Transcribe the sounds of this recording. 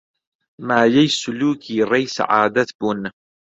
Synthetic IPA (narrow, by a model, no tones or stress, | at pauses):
maːjajsʊluːkʰiːɾajsa̰ʕaːd̪at̪bʊn